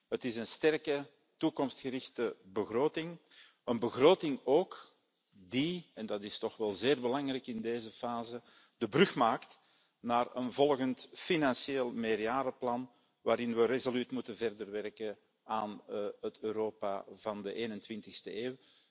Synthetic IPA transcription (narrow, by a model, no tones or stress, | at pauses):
ɦətɪsənstɛrkə | tukɔmstxəɾɪxtəbəɣroːtɪŋ | ənbəɣroːtɪŋoːk | diɛndɑtɪstɔxʋɛlˠzeːrbəlɑŋrɛjkɪndeːzəfaːzə | d̥əbrʏxmaːkt | naːrə̰nvɔlˠɣəntfinɑnsieːlˠmeːrjaːɾəplɑn | ʋaːɾɪnʋərezolytmutəvɛrdərʋɛrkə | aːnɦətøːɾoːpa̰vɑndəʔeːnəntwɪntɪxstəeːw